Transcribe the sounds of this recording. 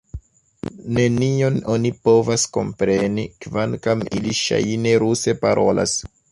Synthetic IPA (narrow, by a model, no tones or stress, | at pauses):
ne̞nio̞nonipo̞vasko̞̰mpɾenikvankamiliʃa̰jne̞ɾuse̞paɾʔo̞lʔa̰s